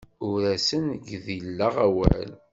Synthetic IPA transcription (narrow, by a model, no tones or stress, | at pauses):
ʊɾæsənɡðilːəʁæwæ̰l